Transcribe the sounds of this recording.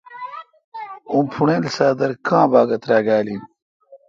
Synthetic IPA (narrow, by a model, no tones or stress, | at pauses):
ũːpʰuɳeːlsaːd̪ɐɾkãːbaːɡɐt̪ɾaːɡaːlin